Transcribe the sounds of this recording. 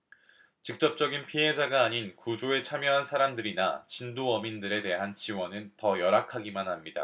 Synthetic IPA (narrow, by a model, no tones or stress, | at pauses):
t͡ɕik̚t͡ɕ͈ʌp̚t͡ɕ͈ʌɡinpʰiɦe̞d͡ʑaɡaːɲinkud͡ʑoe̞t͡ɕʰamjʌɦansʰaɾamdɯɾina̰t͡ɕindoʌmindɯɾe̞te̞ɦant͡ɕiwʌnɯntʌjʌɾakʰaɡimanɦamɲida̰